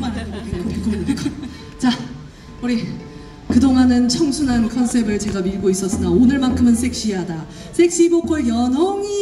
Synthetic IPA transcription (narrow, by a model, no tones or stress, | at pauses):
manokepek͈ʰuek͈ʰ | t͡ɕa | uɾi | kɯdoŋanɯnt͡ɕʰʌŋsʰunankʰʌns͈ʰe̞bɯɭt͡ɕe̞ɡamiɭɡois͈ʌs͈ɯnaonɯɭmankʰɯmɯnsʰe̞k̚ɕ͈iɦada | sʰe̞k̚ɕ͈ibok͈ʰʌɭjʌnʌŋi